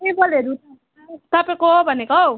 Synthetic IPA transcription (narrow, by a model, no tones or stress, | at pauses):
eboleɾut̪ | t̪ʌpekoɦobʱʌneko